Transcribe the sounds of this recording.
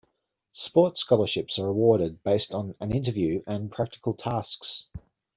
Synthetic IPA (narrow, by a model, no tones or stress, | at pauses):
spɔˑtskɒlˠəʃɪpsəɹəwɔːɾɪd̚beɪstn̩ə̃nɪ̃ntəvjʉːʔə̃npʰɹ̥ak̚tɪ̥kʰəlˠtʰasks